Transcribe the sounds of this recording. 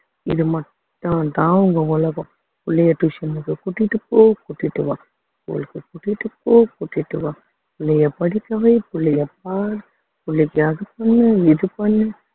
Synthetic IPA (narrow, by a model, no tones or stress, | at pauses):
ɪ̰ðɯmɐʈː | ãt̪ãːʊŋɡɐɔlɐɣõ | pʊɭːɐjɐʈuʂɐnɯkːɯkuʈːɪʈːɯpːoːkuʈːiʈːɯʋaː | po̰ːlɯkːɯkuʈːɪʈːɯpːoːkuʈːɪʈːɯʋãː | pʊlːɐjɐpɐɽɪkːɐʋɐɪpʊɭːɐjɐp̚aːɾ | pʊlːɪkːɯɐðɯpɐnːɯɪðɯpɐnːɯ